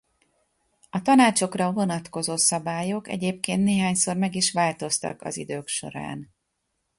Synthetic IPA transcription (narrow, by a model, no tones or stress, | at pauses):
ɒt̪ɒnaːt͡ʃo̞krɒvo̞nɒt̪ko̞zoːsɒbaːjo̞kɛ̰ɟeːp̚keːnt̪neːɦaːɲso̞rmɛɡiʃʋaːlt̪o̞st̪ɒ̰kɒ̰zid̪øːkʃo̞̰ɾa̰ːn